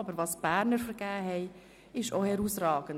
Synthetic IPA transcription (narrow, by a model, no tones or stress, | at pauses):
ɑbəɾvɑːsb̥æːɾnəɾfəɾɡ̥æːɦɛɪ | ɪʃohɛɾusrɑːɡən